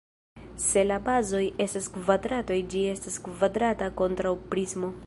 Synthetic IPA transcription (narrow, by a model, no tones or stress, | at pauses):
se̞labazo̞je̞staskvadɾato̞jd͡ʒie̞staskvadɾatako̞ntɾawpɾizmo̞